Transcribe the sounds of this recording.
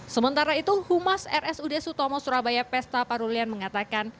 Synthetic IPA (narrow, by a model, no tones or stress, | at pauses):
səmənt̪aɾait̪uhumasɛɾɛsudɛsut̪ɔmɔsuɾabajapɛst̪apaɾulianməŋat̪akan